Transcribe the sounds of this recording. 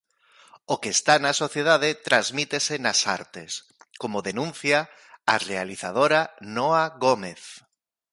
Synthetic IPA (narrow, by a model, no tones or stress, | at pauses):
okeːst̪anasoθjeð̞aðet̪ɾazmit̪esenasa̰ɾt̪es | komoðenũn̟θja | a̰realiθað̞oɾanɔaɣomeθ